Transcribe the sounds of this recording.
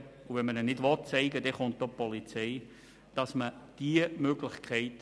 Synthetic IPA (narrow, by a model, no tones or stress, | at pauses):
uvɛnmənɛnɪdʋɔt̚t͡sɛɪɡədɛχʊnt̚d̥opɔlit͡sɛɪ | d̥ɑsməd̥iəmøɡlɪχkʰɛɪt